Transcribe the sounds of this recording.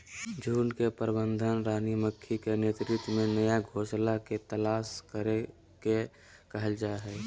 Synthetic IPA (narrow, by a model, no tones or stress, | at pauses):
d͡ʒʱuːnkepəɾbə̃nd̪ʱənɾaːniməkʰːikeneːt̪ɾɪt̪wmẽnəjaɡʱoːʃlaket̪əlaːskəɾe | ke | kəɦəld͡ʒaɦɛː